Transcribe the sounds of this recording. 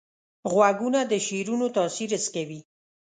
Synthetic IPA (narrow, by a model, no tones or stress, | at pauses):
ɣwaɡunad̪əʃiɾunot̪ɑsiɾəskawi